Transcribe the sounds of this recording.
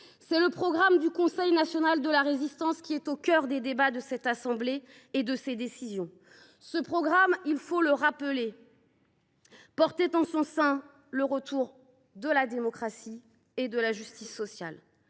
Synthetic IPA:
sɛləpχɔɡʁamd̪ykɔ̃sɛjnasjɔnald̪əlaʁezist̪ɑ̃skʲiɛt̪okʲœʁd̪ed̪ebad̪əsɛt̪asɑ̃bleː | d̪əsed̪esizjɔ̃ | səpχɔɡʁamilfoləʁapəle | pɔʁt̪et̪ɑ̃sɔ̃sɛ̃ | ləʁət̪ʰuʁ | d̪əlad̪emɔkχasi | ed̪əlaʒyst̪isːɔsjal

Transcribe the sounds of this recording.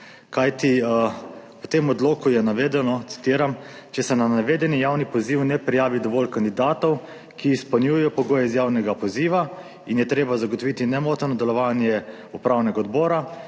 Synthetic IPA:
kajt̪i | pɔt̪emɔd̪loːkujɛnaʋeːd̪ɛnɔt̪si̥t̪iːɾam | t͡ʃɛsɛnanaʋeːd̪ɛnijaːwnipɔziːwnɛpɾijaːʋid̪ɔʋɔlkand̪id̪aːt̪ɔw | kʰiːspɔnjujɛjɔpɔɡoːjɛizjaːwnɛɡapɔziːʋa | injɛt̪ɾeːbazaɡɔt̪ɔʋit̪inɛmoːt̪nɔd̪ɛlɔʋaːnjɛ | upɾaːwnɛɡaɔd̪bɔːɾa

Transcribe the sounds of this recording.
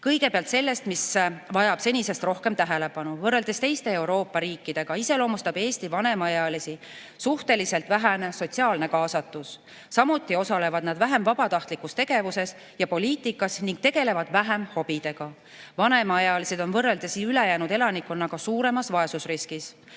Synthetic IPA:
kɤjɡe̞peɑlt̪se̞lːe̞st̪misvɑjɑb̥se̞nʲise̞st̪ro̞hke̞mt̪æɦe̞le̞pɑnuvɤrːe̞ld̪̥e̞st̪e̞jst̪e̞ːe̞wɾo̞ːpːɑɾiːkːˑid̪̥e̞ɡ̥ɑise̞lo̞ːmust̪ɑbe̞ːst̪ivɑne̞mɑɑjɑlisi | suht̪e̞lise̞lt̪ˑvæɦæneso̞t̪siɑːlne̞kɑːsɑt̪ːˑusː | ɑmut̪ˑːio̞sɑle̞vɑd̪̥nɑd̪væɦemvɑbɑt̪ɑht̪likːˑust̪e̞ɡ̥e̞vuse̞s | jɑpo̞liːt̪ːˑikːˑɑsniŋɡ̚t̪e̞ɡ̥e̞le̞vɑd̪̥væɦemho̞b̥id̪̥e̞ɡ̥ɑ | vɑne̞mɑɑjɑlised̪̥o̞nvɤrːeld̪̥e̞sylejæːnud̪e̞lɑnikːˑonːɑɡ̥ɑsuːɾe̞mɑsvɑe̞susriskis

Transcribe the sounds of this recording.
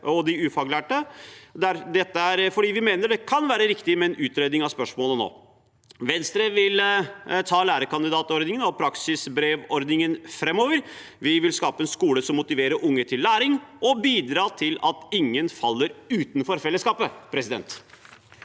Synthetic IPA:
ɔd̪ɪʉːfɑːɡlæːʈəd̪æɾd̪ɛt̪ːəæɾfɔɖiːʋɪmeːnəɖɛkʰɑnʋæːɾəɾɪkt̪ɪmɛɛnʉːt̪ɾeːd̪nɪŋɑʋspœʂmoːləno̰ː | ʋɛnst̪ɾəʋɪlt̪ʰɑːlæːɾəkɑnd̪ɪd̪ɑːt̪ɔɾd̪ɪŋənɔpʰɾɑksɪsbɾeːʋɔɾd̪nɪŋənfɾɛmːoːʋəɾ | ʋɪʋɪlskɑːpəɛnskuːləsɔmːʊt̪ɪʋeːɾəʔʊŋːət̪ʰɪlːæːɾɪŋɔbiːd̪ɾɑːt̪ʰɪlɑt̪ɪŋːənfɑlːəɾʉːt̪nfɔɾfɛlːəskɑːpəpʰɾɛsɪd̪ɛ̰nt̪

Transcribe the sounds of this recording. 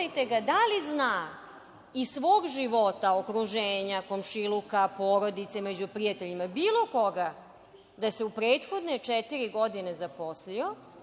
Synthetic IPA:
jt̪e̞ɡad̪aliznaː | isʋo̞ːɡʒiʋo̞t̪aokɾuʒeːɲako̞mʃilukapoːɾo̞d̪it̪se̞me̞d͡ʑupɾijat̪eʎimabiːlˠo̞ko̞ɡa | d̪ase̞upɾeːt̪xo̞d̪net͡ʂɛt̪iɾiɡo̞d̪inezapo̞slio̞

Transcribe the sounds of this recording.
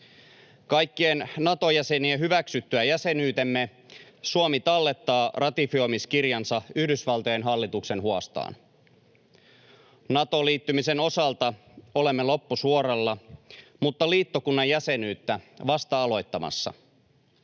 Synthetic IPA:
kɑjkːiennɑt̪o̞jæse̞nieɦyʋæksyt̪ːyæjæse̞nyːt̪e̞mːe | suomit̪ɑlːe̞t̪ːɑːrɑt̪ifio̞jmiskirjɑnsɑyhdysʋɑlt̪ojenɦɑlːit̪ukse̞nɦuɑst̪ɑ̰ːn | nɑt̪o̞liːt̪ːymise̞no̞sɑlt̪ɑ | o̞le̞mːelo̞pːusuo̞rɑlːɑmut̪ːɑliːt̪ːo̞kunːɑjjæse̞nyːt̪ːæʋɑst̪ɑɑlo̞jt̪ːɑmɑ̰sːɑ̰

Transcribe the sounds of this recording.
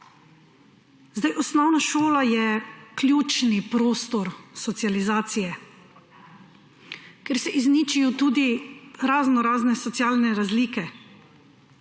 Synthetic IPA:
zd̪ajʔɔsnɔwnaʃoːlajɛkljuːt͡ʃnipɾoːst̪ɔɾsɔt̪sializaːt̪sijɛ | kɛɾsɛʔiznit͡ʃijɔt̪uːd̪iɾaznɔɾaːznɛsɔt̪sijaːlnɛɾazliːkɛ

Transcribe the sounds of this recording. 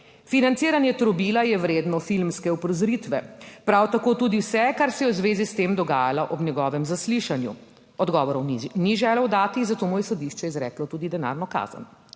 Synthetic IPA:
finantsiːɾanjɛt̪ɾɔbiːlajɛwɾeːd̪nɔfilmskɛɔpɾɔzɾit̪ʋɛpɾawt̪akoːt̪uːd̪iwsɛkaɾsɛjɛwzʋeːzist̪eːmd̪ɔɡaːjalaʔɔbnjɛɡɔːʋɛmzasliʃanjṵ | ɔd̪ɡɔːʋɔɾɔwniʒɛːlɛwd̪aːt̪izat̪oːmujɛsɔd̪iʃt͡ʃɛizɾɛ̰ːklɔt̪uːd̪id̪ɛna̰ːɾnɔka̰ːzə̰n

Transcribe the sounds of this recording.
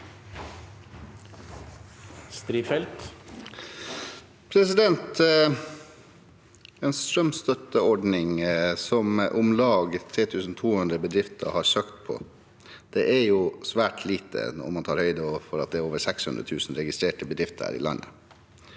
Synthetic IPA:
st̪ɾiːfɛlt̪ | pʰɾɛsɪd̪ɛnt̪ | ɛːnst̪ɾœmst̪œt̪əɔɖnɪŋsɔmʔʊmlɑːɡt̪ʰɾeːt̪ʰʉːsn̩t̪ʰuːhʉnd̪ɾəbəd̪ɾɪft̪ʰəɑ̰hɑsøːkt̪pʰɔ̰ | d̪̥ɛʔæjusʋæːʈʰliːt̪ə̰nɔ̰ɾmɑnt̪ʰɑːɾhœʏd̪əɔʋfɔɾɑt̪̚d̪ɛæːɾoːʋəɾsɛkshʉnd̪ɾə̰t̪ʰʉːsn̩ɾɛɡɪst̪ɾeːʈəbəd̪ɾɪft̪əɾhæ̰ːɾɪ̰lɑ̰nːə̰

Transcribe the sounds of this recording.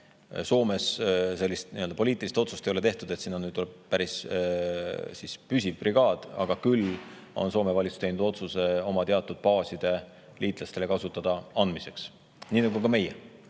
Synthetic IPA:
so̞ːme̞sse̞lːist̪niø̞ld̪ɑpo̞lʲiːt̪ˑilist̪o̞t̪sust̪ejo̞le̞t̪e̞ht̪ud̪e̞t̪sinːɑnyːd̪tuleb̥̚pæɾis | sispysʲivbriɡ̥ɑːd̪̥ɑ̰ɡ̥ɑkyl | o̞̰nso̞ːme̞vɑlitsu̥t̪e̞jnud̪o̞t̪suse̞o̞mɑt̪e̞ɑt̪ˑːud̪̥̚pɑːsid̪̥e̞ | liːt̪ˑlɑst̪e̞le̞kɑsut̪ːˑɑd̪̥ɑɑnd̪mise̞ks | niːnɑɡukɑme̞jḛ

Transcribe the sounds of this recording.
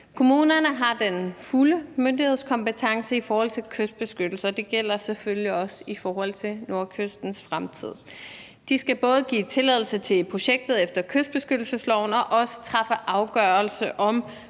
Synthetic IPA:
kʰo̝muːnɐnəɦɑ̈d̥enfuləmønd̥ihe̝ð̞̰ˠskʰɒ̽mpət͡sʰɑ̈ŋsəifɒːhɒ̽l̰t͡sʰe̝lkʰøsd̥̚b̥e̝sɡ̥ød̥l̩sɐd̥e̝ɡ̥el̰ɐseføljiɒ̽səifɒːhɒ̽l̰t͡sʰe̝no̝ɐkʰøsd̥n̩sfʁamt͡sʰið̞̰ˠ | d̥isɡ̥æb̥ɔ̽ːð̞̩ˠəɡ̥ḭːt͡sʰe̝lɛð̰ˠl̩sət͡sʰe̝pʰʁo̝ɕeɡ̥̚d̥ð̞̩ˠefd̥ɐkʰøsd̥̚b̥e̝sɡ̥ød̥l̩səslɒʊnɒ̽ʔɒ̽sə̥t͡sʰʁɑ̈fəʔɑ̈ʊɡ̥œɐlsəʔɒ̽m

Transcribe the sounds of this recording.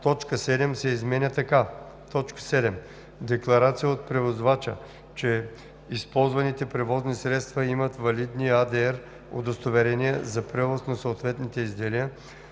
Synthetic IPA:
t̪ɔt͡ʃkəsɛd̪ɛmsɛizmɛnʲət̪ɐka | t̪ɔt͡ʃkə̥sɛd̪ɛm | d̪ɛklˠɐɾat̪sijəot̪̚pɾɛvozvat͡ʃə̰ | t͡ʃɛ | ispɔlˠzvɐnit̪ɛpɾɛvɔznisɾɛt̪st̪vɐimɐt̪vɐlid̪niad̪ɛɛɾ | o̰d̪ɐst̪ovɛɾɛniɛzɐpɾɛvosnɐsoːt̪vɛt̪nit̪ɛizd̪ɛlijə

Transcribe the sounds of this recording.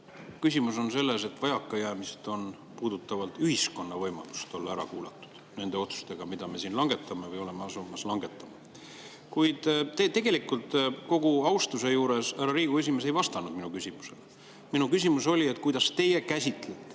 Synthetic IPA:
kysʲimuso̞nse̞lːe̞se̞t̪ːˑvɑjɑkːˑɑjæːmised̪̥o̞n | puːd̪̥ut̪ːˑɑvɑlt̪yɦisko̞nːɑvɤjmɑ̰lu̥st̪o̞lːɑæɾɑ̰kuːlɑt̪ːˑu̥d̪̥ne̞nd̪e̞o̞t̪su̥st̪e̞ɡ̥ɑmid̪̥ɑme̞siːnlɑŋɡ̥e̞t̪ːˑɑmevɯjo̞le̞meɑsumɑslɑŋɡe̞t̪ːˑɑmɑ | kujd̪̥t̪et̪e̞ɡe̞likˑult̪ko̞ɡ̥uɑwst̪use̞juːɾe̞sæɾɑɾiːɡ̥ue̞s̬ʲime̞s̬ejvɑst̪ɑnud̪̚minukysʲimu̥se̞l | minukys̬imuso̞lʲie̞t̪kujd̪ɑst̪e̞je̞kæsʲit̪let̪ːˑe

